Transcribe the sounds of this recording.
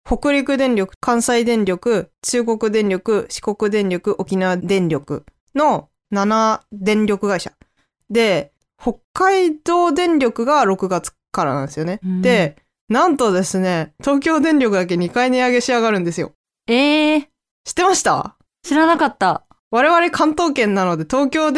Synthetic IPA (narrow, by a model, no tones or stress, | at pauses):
ho̞kɯ̟ɾʲikɯ̟d̪ẽ̞ɲɾʲo̞kɯ̟̥kãɰ̃said̪ẽ̞ɲɾʲo̞kɯ̟t͡ɕɨːɡo̞kɯ̟d̪ẽ̞ɲɾʲo̞kɯ̟ɕi̥ko̞kɯ̟d̪ẽ̞ɲɾʲo̞kɯ̟ʔo̞kʲinaβad̪ẽ̞ɲɾʲo̞kɯ̟̰ | no̞ | nanad̪ẽ̞ɲɾʲo̞kɯ̟ɡaiɕa̰ | d̪e̞ | ho̞kːaid̪o̞ːd̪ẽ̞ɲɾʲo̞kɯ̟ɡaɾo̞kɯ̟ɡat͡sɨ̥kaɾa̰nã̰nd̪esjo̞ne̞d̪e̞ | nãnt̪o̞d̪e̞sɨne̞t̪o̞ːk̬ʲo̞ːd̪ẽ̞ɲɾʲo̞kɯ̟d̪ak̬e̞ɲ̟ikaiɲiaɡe̞ɕiaɡaɾɯ̟̃nd̪e̞sɨjo̞̰ | e | ɕi̥t̪ːe̞maɕi̥t̪a̰ | ɕiɾanakat̪ːa | βaɾe̞βaɾe̞kʰãnt̪o̞ːkẽ̞nːano̞d̪e̞t̪o̞ːkʲo̞ː